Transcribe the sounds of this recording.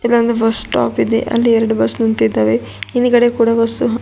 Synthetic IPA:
ilːɐnd̪ɐbɐsʈa̰ːpid̪ḛʔɐ̰lːiɛɾɐɽubɐsnunt̪id̪ːaːʋe | iniɡɐɽekuːɽɐʋɐst̪uɦ

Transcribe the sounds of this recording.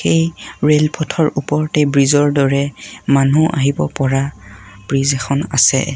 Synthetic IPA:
xejɹelpʰɔtʰɔɹupɔɹtɛbɹizɔɹdɔɹɛmanuʔa̰ɦibɔpɔɹab̥ɹizɛxʰɔna̰sɛ̰

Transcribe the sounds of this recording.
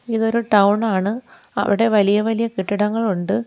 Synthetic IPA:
iðo̞ɾuʈɐwɳaːɳɨ | ɐ̰ʋiɽe̞ʋɐlijɐʋɐlijɐkiʈːiɽɐŋːɐɭuɳɖɨ

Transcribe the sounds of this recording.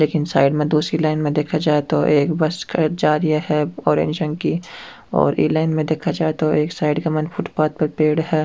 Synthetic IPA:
leːkɪnsa̰ːɪɖmẽd̪uːsɾilaːɪnmẽd̪eːkʰad͡ʒaːet̪oʔeːkbɐskɐd͡ʒaːɾiaɦɛɔːɾḛ̃ːnd͡ʒə̃ŋɡki | ɔ̰ːɾʔḭːlaːɪnmẽd̪eːkʰad͡ʒaːet̪oeːksaːɪɖɡɐmənfʰʊʈpaːt̪̚pɐɾpeːɽɦɛː

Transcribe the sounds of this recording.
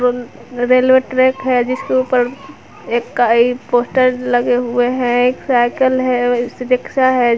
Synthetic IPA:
ɾeːlʋeʈɾɛːkɦɛd͡ʒɪskeuːpəɾ | eːkːaipoːsʈəɾləɡeɦʊeɦɛ̃eːksaɪkəlɦɛ̃sʊɾɪkʃaɦɛ

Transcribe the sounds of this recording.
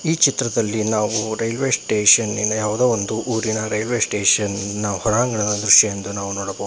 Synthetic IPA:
iːt͡ʃit̪ɾɐd̪ɐlːinaːʋuɾɐjlʋeːsʈeːʂɐninɐjaːʋɐd̪eːʋond̪uʔuːɾinɐɾɐjlʋe̞ːsʈeːʂɐnːɐhɔɾaːŋɡɐɳɐd̪ɐd̪ɾuʂjɐjend̪unaːʋunoːɽɐbou

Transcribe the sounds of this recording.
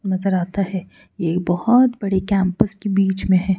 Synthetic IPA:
nɐzəɾaːt̪aɦɛː | jeːk̚bɐhɔt̪bɐɽekɛ̃ːmpəskebiːt͡ʃmẽɦɛː

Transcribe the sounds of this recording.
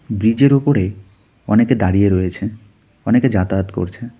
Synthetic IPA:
bɾid͡ʑeɾupoɾe | ɔ̰neked̪aɾieɾɔjet͡ɕʰe | ɔneked͡ʑat̪aːt̪ko̰ɾt͡ɕʰe

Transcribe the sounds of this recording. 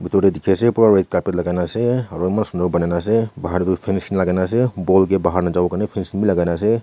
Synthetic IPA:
bitɔɾedikʰesepuɾaɾajt̚kaɾpet̚laɡajnaseaɾɔjmansundawbanajnas̬ebaɦaɾdupʰensinlaɡajnas̬ebɔlɡebaɦaɾnad͡ʒawkanepʰensinmilaɡajnas̬e

